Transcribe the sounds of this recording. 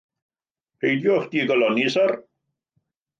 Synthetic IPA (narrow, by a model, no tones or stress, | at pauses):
pʰejdjɔχd̥iːɡɔlɔnisar